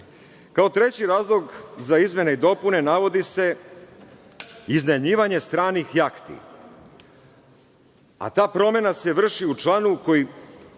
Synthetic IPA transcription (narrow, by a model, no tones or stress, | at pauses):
kaot̪ɾe̞t͡ɕiɾaːzlˠo̞ɡzaizmʲe̞neid̪o̞pune̞naʋo̞d̪ise̞ | izneɲiːʋaɲe̞st̪ɾaːnixjakt̪ḭ | a̰t̪aːpɾo̞me̞nase̞ʋr̩ʃiut͡ʃlˠanuko̞ji